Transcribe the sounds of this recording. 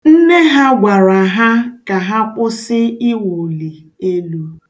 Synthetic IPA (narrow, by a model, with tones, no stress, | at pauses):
n̩˦ne˦ɦa˦ɡʷa˨ɾa˨ɦa˦ka˨ɦa˦pʊ˦sɪ˦i˦wu˨li˨ | e˦lu˦